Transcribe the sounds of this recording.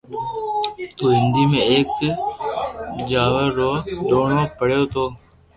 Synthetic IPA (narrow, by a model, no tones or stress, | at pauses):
t̪uːɦɪnd̪iːmẽːeːk | d͡ʒaːʋəɾːoːɖ̪oːnoːpəɽjoːt̪ʰoː